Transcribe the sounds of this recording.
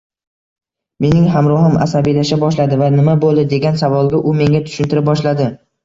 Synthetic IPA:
me̞nɪŋɦamɾɒhɪma̰sabijlaʃabɒʃ̬lad̪ɪvanɪmabolˠd̪ɪd̪e̞ɡʲansavɒlˠɡʲaʔʊme̞ŋʲat̪ʰʊ̥ʃʊnt̪ɪɾɪp̚bɒʃlad̪ɪ

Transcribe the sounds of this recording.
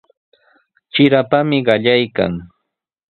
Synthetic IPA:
t͡ʃɪɾapamɪɢɑʎajka̰ŋ

